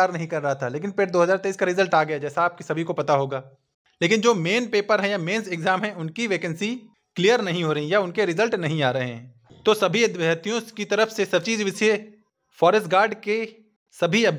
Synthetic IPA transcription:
aːɾnɐɦĩkɐɾːɐɦat̪ʰaleːk̬ɪnpeɾd̪oːɦɐzaːɾt̪eiːskaɾɪzəlʈaːɡɐjad͡ʒɛːsaːp̚kisɐbʱikopɐt̪aɦoːɡaː | leːkɪnd͡ʒoːmeːnpeːpəɾɦɛ̃jameːnseɡzaːmɦɛ̃ʔʊnkiʋeːkə̃nsi | klijəɾnɐɦĩɦoːɾɐɦĩjaʊnkeɾɪzəlʈnɐɦĩaːɾɐɦeɦɛ̃ː | t̪osɐbʱiɐd̪ʋɐɦt̪ijõkit̪ɐɾəfsesɐb̚t͡ʃiːzʋɪse | fɔːɾəsʈ̚ɡaːɾɖke | sɐbʱiɐb

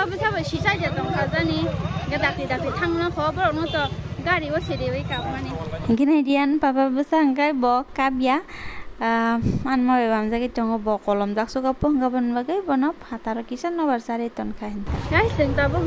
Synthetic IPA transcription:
babɯsabɔsisajdatɔŋkʰazaniɡadakidak̚itʰaŋnakʰɔbɔɾɔnɔtɔɡaɾibɔseɾibɯjkapmanɛɡinajdijanpababɯsaŋɡajbɔkabija | anmabɛbamzaɡitɔŋɡɔbɔkɔlɔmzak̚sɔkapɔhɯŋɡabɔnbaɡɯjbɔnɔphataɾɔkisanɔbaɾsaɾitɔnkʰahintʰaɡajɬɯŋtabɔ

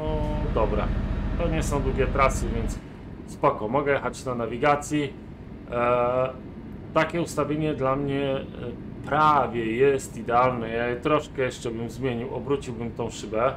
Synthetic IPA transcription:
nɔd̪ɔbɾa̰t̪ɔɲɛsɔ̃w̃d̪vʲjɛt̪ɾasɘvʲjɛnt̪s | spɔkɔmɔɡɛjɛxat͡ɕnanavʲiɡat̪sʲji | t̪akʲɛust̪avʲjeɲɛd̪lamɲɛ | pɾavʲjɛjɛst̪id̪ɛalnɛjajɛt̪ɾɔʂkɛjɛʂt͡ʂɛbɘmzmʲjeɲiwɔbɾut͡ɕiwbɘmt̪ɔ̃w̃ʂɘbɛ

